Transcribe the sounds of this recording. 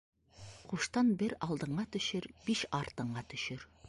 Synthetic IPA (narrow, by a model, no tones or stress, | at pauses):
qʰuʃt̪ɑnbɪɾɑlˠd̪əɴɢɑt̪ʰʏʃɪɾb̥iʃɑɾt̪əɴɢɑt̪ʰʏʃʏɾ